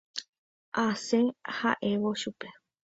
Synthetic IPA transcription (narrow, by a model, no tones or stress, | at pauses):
ʔasẽha̰ʔe̞ʋoʃupe